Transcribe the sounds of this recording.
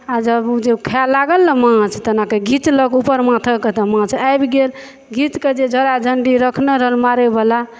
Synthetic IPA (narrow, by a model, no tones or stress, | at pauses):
ad͡ʒəbd͡ʒekʰalaɡəlːəmãt͡ʃʰt̪ənakeɡʱit͡ʃləɡupəɾmãt̪ʰəket̪əmãt͡ʃʰajbiɡel | ɡʱit͡ʃked͡ʒed͡ʒʱəɾad͡ʒʱəɳɖiɾəkʰneɾəɦəlmaɾebala